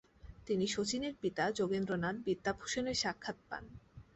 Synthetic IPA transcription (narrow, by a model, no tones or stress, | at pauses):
t̪iniʃot͡ɕineɾpit̪ad͡ʑoɡenɾonad̪̚bit̪ːapʰu̥ʃoneɾʃakʰːat̪̚pa̰n